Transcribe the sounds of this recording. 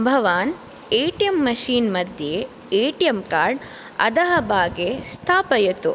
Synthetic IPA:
bʱɐʋaːn | eːʈijɐmːɐʃiːnmɐd̪ʱje | eːʈijɐmkaːɾɖ | ɐ̰d̪ɐɦɐbʱaːɡeːst̪ʰaːpɐjɐt̪u

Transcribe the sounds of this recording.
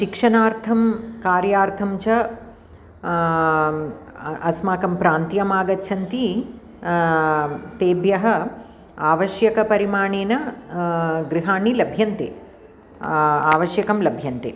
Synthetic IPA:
ʃikʂɐnaːɾt̪ʰɐmkaːɾjaːɾt̪ʰɐmt͡ʃɐ | ɐsmaːkɐmpɾaːnt̪jɐmaːɡɐtːʃʰɐnt̪i | t̪eːbjɐɦɐ̆ | aːʋɐʃjɐkɐpɐɾimaːɳeːnɐ | ɡɾiɦaːnilɐbʱjɐnt̪ḛː | aːʋɐʃjɐkɐmlɐbʱjɐnt̪eː

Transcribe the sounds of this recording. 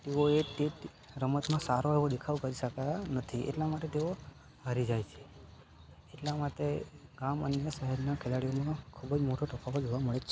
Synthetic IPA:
teoeʈːeʈ | ɾəmət̪mãsaɾoeʋod̪ekʰaʋkəɾiʃəkanət̪ʰiʔḛʈlamaʈet̪eo | aɾid͡ʒajt͡ʃʰe̥ | eʈlamaʈeɡamə̰njəʃəɦɛɾnakʰelaɽijomãkʰubəd͡ʒmoʈoʈəpʰaʋod͡ʒoʋaməɭet͡ʃʰe

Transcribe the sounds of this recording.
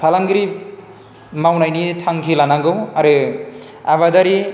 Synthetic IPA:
pʰalaŋɡɾi | mawnajnit̪ʰaŋkʰilanaŋɡɯwaɾɯ | aβad̪aɾi

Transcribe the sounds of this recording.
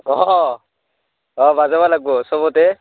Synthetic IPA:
ɔ | ɔbazabalaɡ̚bɔsɔbɔtɛ

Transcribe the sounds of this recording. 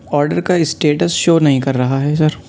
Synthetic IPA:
ɔːɾɖəɾkaɪsʈeːʈəsʃoːnɐɦĩkɐɾːɐɦaɦɛːsɐɾ

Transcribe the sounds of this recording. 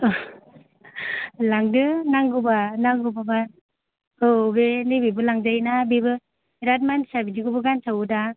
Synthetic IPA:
laŋdɯnaŋɡubanaŋɡubaba | ɯbenibibɯlaŋd͡ʒajnabibɯ | ɾat̚mansabidiɡubɯɡansawda

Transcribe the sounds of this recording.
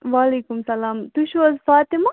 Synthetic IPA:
ʋaːleːkumsɐlaːmt̪uʃwɐzfaːt̪imɐ

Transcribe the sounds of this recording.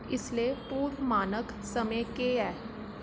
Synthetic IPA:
ɪsliepuːɾmaːnək | sɐmə̃keɛː

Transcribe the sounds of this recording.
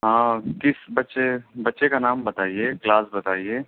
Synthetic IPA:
ɦãːkɪsbɐtːʃebɐtːʃekanaːmbɐt̪aːieklaːsbɐt̪aːieː

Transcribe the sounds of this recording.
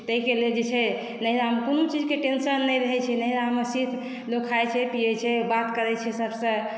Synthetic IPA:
t̪əɦikeleld͡ʒet͡ʃʰɛ | nəɦiɾaɦəmkonot͡ʃid͡ʒkeʈensənːəjɾəɦɛt͡ʃʰɛnəɦiɾaɦəməsit̪ʰ | lokʰajt͡ʃʰɛpijɛt͡ʃʰɛbat̪kəɾɛt͡ʃʰɛsəbsə̃

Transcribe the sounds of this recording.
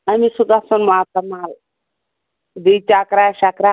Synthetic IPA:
amisud̪asɐnmat̪ɐmal | d̪it͡ʃakɾaʃakɾa

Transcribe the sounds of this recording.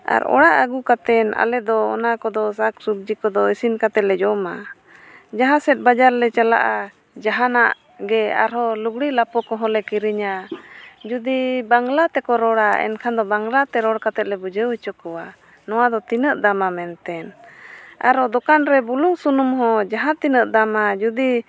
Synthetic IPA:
a̰ɾɔ̰ɽaʔəɡukat̪ɛna̰lɛd̪ɔɔ̰nakɔd̪ɔsaksub̚d͡ʒikɔd̪ɔisinkat̪ɛt̪̚lɛd͡ʒɔma | d͡ʒaɦãsɛt̪̚bad͡ʒaɾlɛt͡ʃala̰ʔa | d͡ʒaɦanaʔ | ɡɛa̰ɾhɔluɡɽilapɔkɔɦɔ̃lɛkiɾiɲa | d͡ʒud̪ibaŋlat̪ɛkɔɾɔɽaɛ̰nkʰand̪ɔbaŋlat̪ɛɾɔɽkat̪ɛt̪̚lɛbud͡ʒəwɛt͡ʃɔkɔwa | nɔwad̪ɔt̪inəʔd̪amamɛnt̪ɛn | a̰ɾɔd̪ɔkanɾɛbuluŋsunumɦɔ̃d͡ʒaɦãt̪inəʔd̪amad͡ʒud̪i

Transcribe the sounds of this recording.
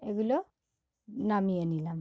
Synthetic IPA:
eɡulo | namijanilam

